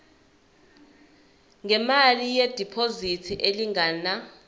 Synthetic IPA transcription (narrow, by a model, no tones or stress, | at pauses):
ŋɛmalijed̥ʱipʰozitʰiʔeliŋaːna